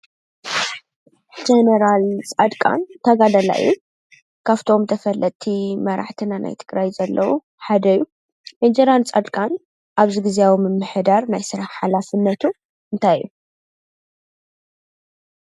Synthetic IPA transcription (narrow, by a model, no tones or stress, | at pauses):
d͡ʒenɐɾalt͡sʼɐd̪kʼa̰nt̪ʰɐɡad̪ɐla̰ɨ̰ju | kʰaβt̪ʰo̞mt̪ʰɐfɐlʔɐt̪ʰimɐɾa̰ħt̪ʰɨnana̰jt̪ʰɨɡɾajzɐlːɐwu | ħad̪ɐjːu | med͡ʒeɾalt͡sʼɐd̪kʼan | ʔaβziɡɨzijawimɨmːɨħd̪aɾnajsɨɾaħħalafɨnːɐt̪ʰu | ʔɨnt̪ʰajːu